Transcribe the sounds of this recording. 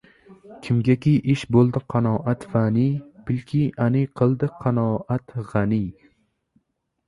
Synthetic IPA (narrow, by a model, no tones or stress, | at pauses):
kʲʰɪmɡʲakʲijʔɪʃbolˠd̪ɪqʰɑnɒːʔat̪fanijbɪlkʲʰianɪjqʰɨlˠd̪ɪqʰɑnɒʔat̪ʁɑnɪj